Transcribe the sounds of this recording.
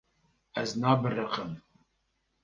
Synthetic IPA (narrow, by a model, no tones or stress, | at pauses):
æznaːbɨrəqəm